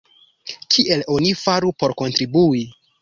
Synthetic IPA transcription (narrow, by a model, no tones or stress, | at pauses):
kʰiʔe̞lo̞nifaɾupo̞ɾko̞ntɾibui